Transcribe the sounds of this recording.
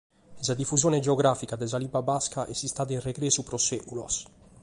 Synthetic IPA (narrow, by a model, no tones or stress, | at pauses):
sad̪ifːuzjoːned͡ʒeoɡɾafikad̪ɛzalibabaskaʔɛsist̪aːd̪ainreɡɾeːsupɾosekulɔ̰s